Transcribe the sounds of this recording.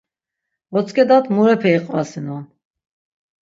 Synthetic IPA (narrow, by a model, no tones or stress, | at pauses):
ɔt͡sʼkʰʼɛd̪at̪ʰmuɾɛpʰɛiqʼvasinɔn